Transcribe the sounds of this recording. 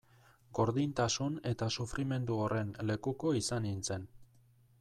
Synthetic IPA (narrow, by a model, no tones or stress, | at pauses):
ɡo̞ɾðint̪asune̞t̪asufɾʔime̞nd̪uorʔe̞nle̞kuko̞isanint͡se̞n